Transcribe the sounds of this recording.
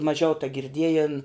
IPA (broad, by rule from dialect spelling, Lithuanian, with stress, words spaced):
mɐˈʒʲɛʊ tɐɡʲɪrʲˈdʲiɛjeːn